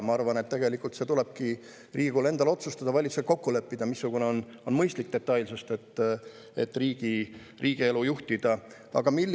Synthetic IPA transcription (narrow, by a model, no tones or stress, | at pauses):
mɑɑrvɑne̞t̪ːe̞ɡe̞likːˑult̪se̞t̪ule̞b̥̚ki | riːɡ̥ule̞nd̪̥ɑlo̞t̪sust̪ɑd̪̥ɑvɑlʲit̪suset̪̚ko̞kːulø̞pːid̪̥ɑmisːuɡ̥uneo̞n | o̞nmɤjst̪lik̚d̪e̞t̪ːˑɑjlsust̪e̞t̪ːˑ | e̞̰t̪ːriːɡ̥i | riːɡ̥ie̞lujuht̪id̪̥ɑ | ɑ̰ɡ̥ɑmilː